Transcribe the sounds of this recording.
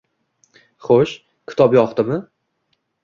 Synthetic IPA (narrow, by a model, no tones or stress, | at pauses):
χoʃ | kʲʰɪ̥t̪ʰɒbjɒχt̪ɪmɪ